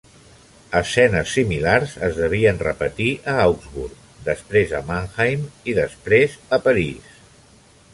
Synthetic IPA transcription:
əsɛnəsːimilarzəzðəβ̞iənrəpət̪iʔəawɡzβuɾk | d̪əspɾezə̰maŋxajmiðəspɾezəpəɾis

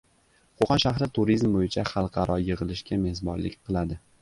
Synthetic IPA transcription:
qʰoqɑnʃaχɾɪt̪ʰuɾizmbojɪt͡ʃʰaχɑlˠqʰɑɾɒjɨʁɨlˠɪʃkʲame̞hzbɒ̰nlɪ̰kʲqʰɨlˠad̪ɪ

